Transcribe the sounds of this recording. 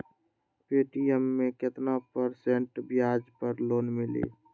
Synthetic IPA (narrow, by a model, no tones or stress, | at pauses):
peːʈiəmːẽkɪt̪napəɾsẽɳʈbjaːd͡ʒpəɾloːnmɪlḛː